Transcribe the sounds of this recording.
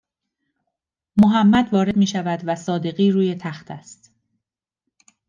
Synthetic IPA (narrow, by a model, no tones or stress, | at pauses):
moɦæmːæd̪vɒːɾe̞d̪miːʃævæd̪væsɒːd̪e̞ɣiːɾuːje̞t̪ʰæxt̪ʰæ̰st̪